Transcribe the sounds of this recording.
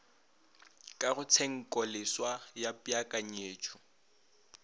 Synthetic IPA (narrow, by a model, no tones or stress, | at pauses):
kʼaɣʊt͡sʰɛŋ̩kʼɔlɪswajapʼjakʼaɲ̩eːt͡ʃʰʼʊ